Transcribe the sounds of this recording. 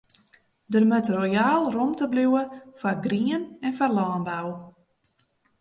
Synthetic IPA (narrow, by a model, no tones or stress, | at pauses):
dərmøtrojaːlˠromtəbluwəfarɡriənɛnfarlɔːnbaw